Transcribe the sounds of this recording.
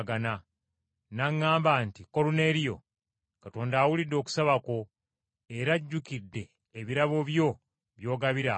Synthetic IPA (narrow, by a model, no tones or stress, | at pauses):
ɡana | naŋːaːmbantiko̞lune̞ɾijo̞̰ | kato̞ːndaːwulidːo̞ːku̥saβako̞ | e̞ɾaɟːukidːe̞ː | βiɾaβo̞βjo̞ | βjo̞ːɡaβiɾa